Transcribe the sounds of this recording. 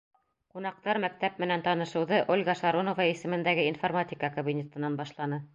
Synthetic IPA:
qunɑq̚t̪ɑɾmæk̚t̪æp̚mɘ̆nænt̪ɑnɤ̆ʃɤ̆wðɤʔolʲɡɑʃɑɾonŏvɑisɘ̆mɘ̆nd̪æɡɘinformatʲikəkobʲinʲet̪ɤ̆nɑnbɑʃlˠɑnɤ

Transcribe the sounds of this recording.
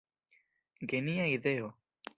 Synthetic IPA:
ɡeniaiðeo

